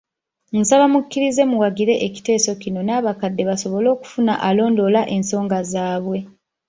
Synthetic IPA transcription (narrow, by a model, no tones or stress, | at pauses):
ŋ̩saβamukːiɾize̞muwaɡiɾe̞ʔeci̥te̞ːso̞cino̞naːβakadːe̞βaso̞βo̞lo̞ːku̥funa̰ʔalo̞ːndo̞laʔe̞nso̞ːŋɡazaːβwe̞